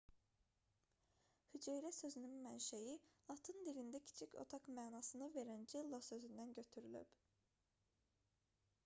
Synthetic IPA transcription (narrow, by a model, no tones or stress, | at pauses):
hyd͡ʒejɾæsø̞zynynmænʃæjilˠɑt̪ʰɯnd̪ilind̪æcʰi̥t͡ʃʰicʰo̞̰t̪ʰɑkmæːnɑsɯnɯve̞ɾænd͡ʒilˠːɑsø̞zynd̪ænɟø̞t̪ʰyɾyly̰p